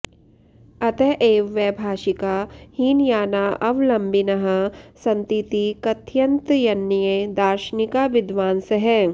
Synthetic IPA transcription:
ɐt̪eʔeːʋːɛbʱaːʃikaːhiːnjaːnaːʔɐʋlɐmbinɐɦɐsɐ̃nt̪it̪ikɐt̪jɐnt̪jɐnːijed̪aːɾʃnikaʋɪd̪ʋaːnsɐɦɛː

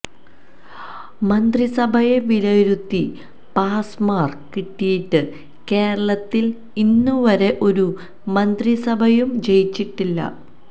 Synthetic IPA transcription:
mɐnd̪risɐbʱɐje̞ʋilɐjɾut̪ːi | paːsmaːrkiʈːijiʈːɨ | ke̞ːɾɐɭɐt̪ːil | inːuʋɐɾe̞ʔo̞ɾu | mɐnd̪risɐbʱɐjumt͡ɕe̞jit͡ɕːiʈːilːɐ̰

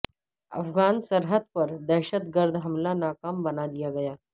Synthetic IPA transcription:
ɐ̰fɡaːnsɐɾɦəd̪̚pɐɾd̪ɛːʃət̪ɡəɾd̪ʱɦɐmlanaːkaːmbɐnad̪ijaɡɐjaː

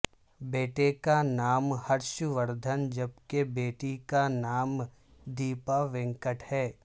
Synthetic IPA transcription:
beːʈekanaːmhɐɾʃuʋəɾd̪ʱənd͡ʒɐbkebeːʈikanaːm | d̪iːpaʋɪ̃ŋkəʈhɛː

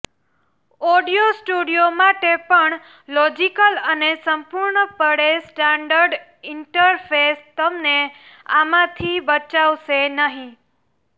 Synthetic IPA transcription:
ɔɖijosʈuɽijomaʈepəɳ | lɔd͡ʒikələnesəmpuɾɳəpəɽesʈaɳɖəɾɖ | ɪɳʈəɾfʰest̪əmne | amãt̪ʰibət͡ʃaʋʃenəɦĩ

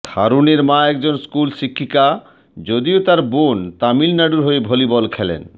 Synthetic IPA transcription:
d̪ʱa̰ɾuneɾmãɛk̚d͡ʑonskulʃikʰːika | d͡ʑod̪iot̪aɾbont̪amilnaɖuɾɦoebʱolibɔlkʰɛlḛn

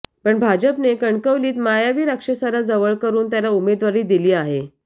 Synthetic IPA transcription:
pəɳbʱad͡ʑəpnekəɳkəʋliːt̪majaʋiːɾakʂəsaɾad͡zəʋəɭkəɾuːnt̪jalaumed̪ʋaɾiːd̪iliːaɦe

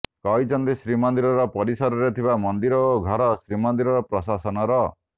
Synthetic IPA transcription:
kɔjt͡ʃɔnt̪isɾimɔnd̪iɾɔɾɔpɔɾisɔɾɔɾet̪ʰibamɔnd̪iɾɔoɡʱɔɾɔsɾimɔnd̪iɾɔɾɔpɾɔsasɔnɔɾɔ

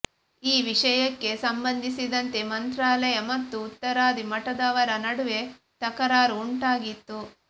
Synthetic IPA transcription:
iːʋiʂɐjɐkːe̞sɐmbɐnd̪ʱisid̪ɐnt̪e̞mɐnt̪ɾaːlɐjɐmɐt̪ːuːt̪ːɐɾaːd̪ʱimɐʈɐd̪aːʋɐɾɐnɐɽuʋe̞ | t̪ɐkɐɾaːɾuːɳʈaːɡit̪ːu

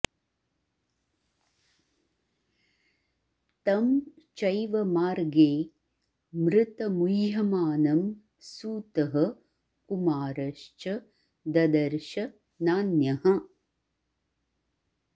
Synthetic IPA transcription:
t̪ɐm | t͡ʃɐjʋɐmaːɾɡeː | mɾɪt̪ɐmujjɐmaːnɐm | suːt̪ɐɦɐ | kumaːɾɐʃt͡ʃɐ | d̪ɐd̪ɐɾʃɐ | naːnjɐɦɐ̆

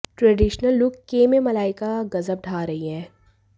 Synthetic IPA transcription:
ʈɾɛːɖiːʃnəlːʊkkːeːmemɐlaːɪkaɡɐzəb̚ɖʱaːɾɐɦiɦɛ̃ː

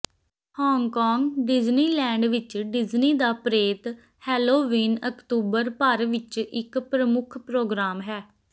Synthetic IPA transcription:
hɔːŋkɔːŋɡɖɪd͡ʒniːlɛ̃ːɳɖʋɪt͡ʃɖɪd͡ʒniːd̪aːpɾeːt̪ | hɛːloːʋiːnəkt̪uːbəɾpəɾʋɪt͡ʃɪkpɾəmʊkʰpɾoːɡɾaːmɦɛː

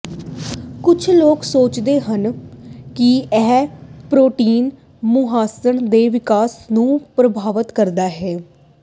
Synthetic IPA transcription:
kʊt͡ʃʰloːksoːt͡ʃd̪eːɦənkɪɛːpɾoːʈiːn | mʊɦaːsəɳd̪eːʋɪkaːsnũːpɾəbʱaːʋət̪kəɾd̪aːɦɛː

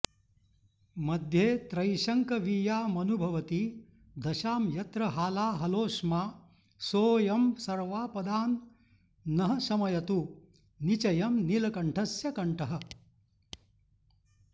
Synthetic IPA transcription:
mɐd̪ʱjeːt̪ɾɐjʃɐŋkɐʋijaːmɐnubʱɐʋɐt̪i | d̪ɐʃaːmjɐt̪ɾɐɦaːlaːɦɐloːʂmaː | soːjɐmsɐɾʋaːpɐd̪aːnː | ɐɦɐ̆sɐmɐjɐt̪u | nit͡ʃɐjɐmnilɐkɐɳʈʰɐsjɐkɐɳʈɐɦɐ̆

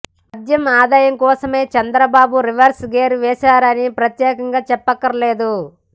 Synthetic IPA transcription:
pɐd̪jɐmaːd̪aːjɐmkɔːsɐme̞ːt͡ʃɐnd̪ɾɐbaːbuɾiʋɐɾsɡeːɾʋɛːʃaːɾɐnipɾɐt̪jɛːkɐŋɡaːt͡ʃɛpːɐkːɐɾleːd̪u

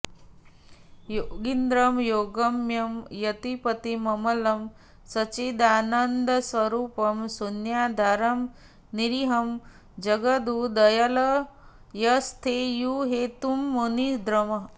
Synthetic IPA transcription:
joɡind̪ɾɐmjoːɡɐmjɐmjɐt̪ipɐt̪imɐmɐlɐm | sɐt͡ʃid̪aːnɐnd̪əsʋɐɾuːpɐmsunjaːd̪ʱaːɾɐm | niɾiɦɐm | d͡ʒɐɡɐd̪ud̪ɐjɐlɐ | jɐst̪ʰejuɦeːt̪umːonid̪ɾɐmɐɦ

